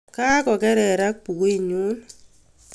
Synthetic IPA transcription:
ka˦kɔ˨kɛ˦ɾɛ˨ɾa˦k̚pu˨ke˦˨ɲu˦n

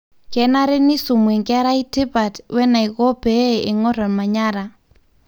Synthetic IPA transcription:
kɛ˨na˦ɾɛ˦ni˦su˨mwɛ˨ŋka˦ɾa˦i˦ti˦ba˨twɛ˦na˨i˨ɣɔ˦pɛː˨ŋɔ˦ɾa˨nma˨ɲa˦ɾa˨

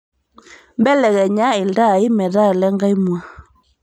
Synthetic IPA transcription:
mbɛ˦lɛ˨ɣɛ˨ɲa˦i˨nda˦˨i˦mɛ˨ða˦ɛ˨lɛ˦ŋɡa˦i˦mwa˦

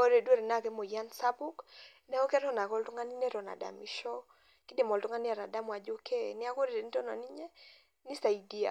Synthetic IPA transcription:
o˦ɾe˨dwo˦ɾe˨na˦˨kɛ˦mo˨ja˦nsa˦bu˦k | nɛ˦o˦kɛ˦ɾɔ˦na˨kɔ˦ltu˦ŋa˦ni˦nɛ˦ɾɔ˨na̰˨da̰˨mi˨ʃɔ˦ | ki˦de˨mɔ˨ltu˦ŋa˦nɪ˦a˨ɾa˨da˦mwa˨d͡ʒo˦kʰɛ˦nɪ˦a˦ko˦ɾe˨ɾe˨ni˦tɔ˦nɔ˨ni˦ɲɛ˦ | ni˦sa˨i˨di˦a̰˨

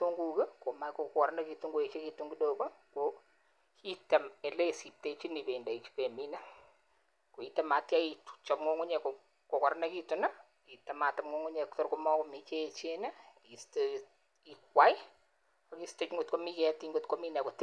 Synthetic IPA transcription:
to˦ŋɡukɐ˦ko˨ma˦jkokkɔ˨ɾnɐ˦kitu˦ŋɡo˨e˨t͡ʃe˦ki˦tu˦ŋɡi˦doko˦ko | kʰi˦tɐ˨me˨le˦˨si˨p̚tet͡ʃi˦ni˨pe˨nda˨i˨t͡ʃi̥pe˨mi˦nɛ˦ | ko˨i˦tɐ˦ma˨tja˦itu̥t͡ʃɔ˨pŋo˦ŋʊ˦ɲɛ˨ko | ko˨kɔ˨ɾnaki˦tuna˦ | ki˨tɐ˨ma˨tɐ˨ŋo˦ŋʊ˦ɲɛ˨kto˦ɾkomɔ˦ko˨mit͡ʃet͡ʃenɐ˦ki˨ste | ikwa˦j | o˨ki˦ste˦kŋɡo˨tko˦mi˦kɛtiŋɡo˦tko˦mi˦nɛ˨ko˨t

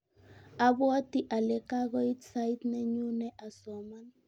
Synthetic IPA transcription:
a˦bwɔ˦ti˦ʔa˨lɛ˨ka˦ɣɔ˦i˦tsa˦i˦t̪nɛ˦ɲu˦nɛ˦ʔa˨sɔ˨ma˦n

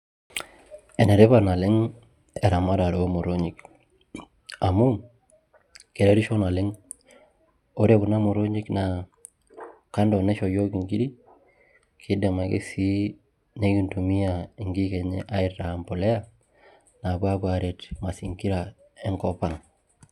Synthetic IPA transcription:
e˨ne˨ɾe˦βa˦na˨lɪ˦ŋ | e˨ɾa˨ma˦ɾa˨ɾo˦mo˨ɾo˦ɲi˨k | a˨mu˦ | ke˨ɾe˨˦ɾi˦ʃo˦na˨lɪ˦ŋ | o˦ɾe˦ku˨na˦mo˨ɾo˦ɲi˦kna | ka˦ndɔ˨ne˦ʃo˨jo˦ki˨ŋɡi˦ɾi˦ | kʰɪ˦de˨ma˨kḛ˦si˦ | ne˦ɡi˨ntu˨mi˦a˨i˨ŋɡi˦ke˨ɲḛ˦ʔa˦i˦tːa˨mpo˨le˦a˦ | na˨bwa˦kwa˨ɾe˨tma˨si˨ŋki˦ɾa˨ | e˦ŋkɔ˦pa˨ŋ

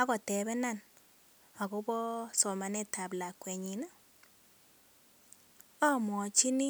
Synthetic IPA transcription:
a˦kɔ˨tɛ˨bɛ˦na˦˨n | a˨ɡɔ˦bɔ˦sɔ˨ma˨nɛ˦ta˨bla˨kwɛ˨ɲi˨na˦ | ɔ˦mɔ˨t͡ʃi˦ni˦

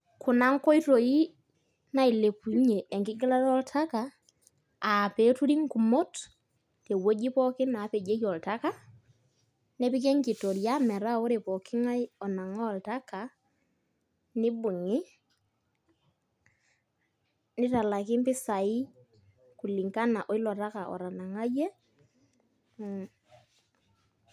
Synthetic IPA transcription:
ku˨na˦ŋkɔ˦i˦to˨i˦ | na˦i˨le˨pu˨ɲe˨ʔːŋkɪ˦ɡi˦la˦ɾɔ˦ltʰa˦ka˨ | a˨pe˨˦tu˦ɾi˦ŋku˨mo˦t | te˨wo˦d͡ʒi˦pɔ˦kɪ˦na˨˦pe˨d͡ʒe˦kɔ˨lta˦ka˦ | ne˦pi˦ke˦ŋki˨to˨ɾja˦mɛ˨ɾa˦˨o˦ɾe˨pɔ˨kɪ˦ŋa˦jɔ˨na˨ŋɔ˦˨lta˦ka˨ | ni˦bu˨ŋi˦ | ni˦ta˨la˨kɪ˦mpɪ˦sa˨i˦ | ku˨li˨ŋka˦na˨ʔɔ˦i˦lɔ˨ɾa˦ka˨ʔɔ̰˨ɾa˨na˨ŋa˦je˦

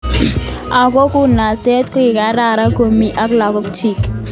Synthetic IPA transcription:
a˨kɔ˦ku˦na˨tɛ˦t̪kɔ˦i˨ka˨˦ɾa˦˨ɾa˦ko˦mi˦ʔa˦kla˨kɔ˦kt͡ʃi˦˨k

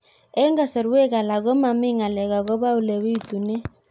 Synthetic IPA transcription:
ɛ˦ŋɡa˨sɛ˨ɾwe˦ɣa˨la˨ɣɔ˦ma˨mɪ˦ŋa˨lɛ˨ɣa˨ɣɔ˦βa˦u˦˨lɛ˨wi˦tu˨nɛ˦

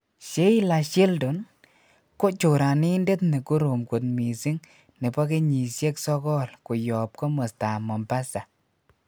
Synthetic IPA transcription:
ʃe˦i˦la˨ʃi˦ldu˨n | ko˦t͡ʃo˨ɾa˨ni˦nde˦tne˨ku˦ɾo˨mku˨t̪̚mi˨si˦ŋ | ne˨pɔ˦ke˦ɲi˨sje˦ksɔ˦kɔ˦lku˨jɔ˨p̚ko˦mo˨sta˨mɔ˨mba˦sa˨

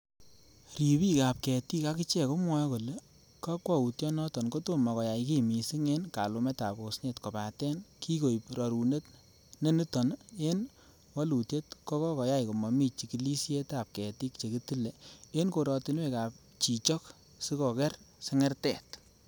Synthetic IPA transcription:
ɾi˨pi˦ka˨p̚kɛ˨ti˦ka˦ki˦t͡ʃɛ˨ko˦mwɔ˦jko˨le˨ | ka˦kwa˦˨u˨tjɔ˦nɔ˦tɔ˨nko˦to˦mɔ˨kɔ˨ja˨jki˦mi˨si˦ŋe˦nka˨lu˨me˦ta˨bo˨sne˨tkɔ˨pa˨tɛ˦nkʰi˦ko˨jpɾɔ˨ɾu˨ne˦t | ne˦ni˦tɔ˨ne˦n | wɔ˦lu˨tje˦tkɔ˦kɔ˦kɔ˨ja˦jko˨mɔ˨mi˦t͡ʃi˨ki˨li˦sje˦ta˨p̚kɛ˨ti˦k̚t͡ʃe˨ki˦ti˦le˨e˦nko˨ɾɔ˨ti˦nwe˦˨ka˨p̚ | t͡ʃi˨t͡ʃɔ˦k | si˦kɔ˨kɛ˦rsɪ˦ŋɛ˦rtɛ˨t

